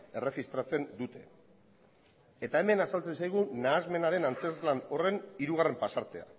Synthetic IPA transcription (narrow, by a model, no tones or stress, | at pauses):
e̞re̞ɣist̪ɾat͡se̞nd̪ut̪e̞̰ | e̞t̪ae̞me̞nasalt͡se̞nsajɣ̞unaːzme̞naɾe̞nant͡se̞lzlano̞re̞niɾuɣare̞mpasaɾt̪e̞a̰